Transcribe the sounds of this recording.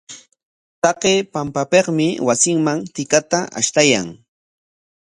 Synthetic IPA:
t̪ɑqeːpampapeqmɪwasɪŋmaŋt̪ɪkat̪aʔa̰ʃt̪aja̰ŋ

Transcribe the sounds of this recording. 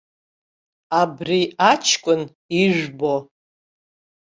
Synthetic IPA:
abriat͡ʃʰkʷʼʊn | iʒbo

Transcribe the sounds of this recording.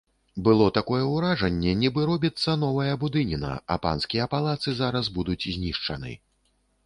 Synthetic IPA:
bɨlˠɔt̪akɔjɛwɾaʐɐnʲːɛnʲibɨɾɔbʲit̪sːɐnɔvɐjɐbud̪ɨnʲinɐ̰ɐ̰pa̰nskʲijɐpalˠat̪sɨzaɾɐzbud̪ut͡sʲzʲnʲiʂt͡ʂɐ̰nɨ̰

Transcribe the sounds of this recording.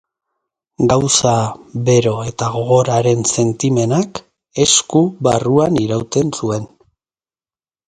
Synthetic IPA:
ɡawsaβe̞ɾo̞e̞t̪aɣ̞o̞ɣ̞o̞ɾaɾe̞nse̞nt̪ime̞nak | e̞skuβaruaniɾawt̪e̞nsue̞n

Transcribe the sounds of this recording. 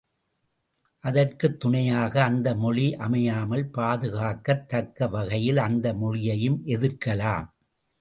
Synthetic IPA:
ʔɐðɐrkɯt̪ːʊɳɐjaːɣɐːnd̪ɐmɔɭiʔɐmɐjaːmɐlpaːðɯɣaːkɐt̪ːɐkːɐʋɐɣɐjɪlɐnd̪ɐmɔɭɪjɐjɯmʔɛðɯɾkɐlaːm

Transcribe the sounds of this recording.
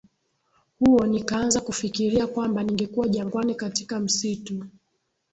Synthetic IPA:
huɔnikanzakufikiɾiakwambaniŋɡɛkuwaʄaŋɡwanikatikam̩situ

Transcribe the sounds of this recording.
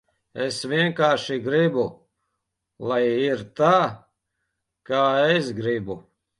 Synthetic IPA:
esʋiɛŋkaːɾʃiɡɾibu | lˠajiɾt̪aː | kaːesɡɾibu

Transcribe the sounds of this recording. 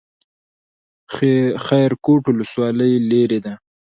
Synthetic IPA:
xajɾkoʈwʊləswɑləjleɾed̪a

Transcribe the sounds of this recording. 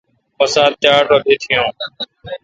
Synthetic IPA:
pəsaːd̪̚t͡ʃaːɾʈoːd̪ʱeːt̪ʰɪjõː

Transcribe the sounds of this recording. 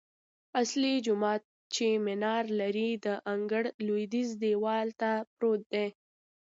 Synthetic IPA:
aslid͡ʒʊmɑt̪̚ | t͡ʃemɪnɑɾlaɾid̪əʔaŋɡəɽlod̪izd̪ewɑlt̪apɾod̪̚d̪e

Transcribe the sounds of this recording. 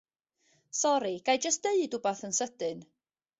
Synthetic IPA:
sɔɾiɡ̥ajd͡ʒəstd̥eɨdubaθənsəd̥ɨn

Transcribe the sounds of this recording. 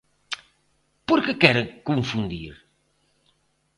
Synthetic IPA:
poɾkɨkɛɾẽkõfũnd̪ḭɾ

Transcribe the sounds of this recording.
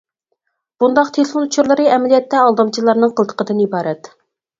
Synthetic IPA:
b̥und̪ɑqt̪ʰelɪfonut͡ʃʰuɾlˠɨɾɨɛmɛlijɛt̪ːɛɑlˠd̪ɑmt͡ʃʰilˠɑɾnɨŋqʰəlˠt̪ə̥qəd̪ɨnibɑːɾɛt̪

